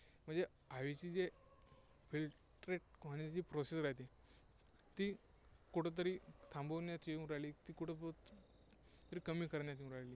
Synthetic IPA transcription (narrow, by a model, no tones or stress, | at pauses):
m̤əɳd͡ze | aʋit͡ɕiːd͡ze | fil | ʈɾeʈ̚kɦant͡ɕiːpɾɔsesɾajt̪e | t̪iː | kuʈʰet̪̬əɾiːt̪ʰãmbonjat̪ʰiũɾajliːt̪iːkuʈʰe | t̪əɾiːkəmiːkəɾnjat̪iũɾajliː